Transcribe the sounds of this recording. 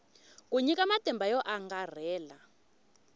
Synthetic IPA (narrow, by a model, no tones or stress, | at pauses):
kuɲikamatʼɛmbʱajɔʔaŋɡar̤ɛːla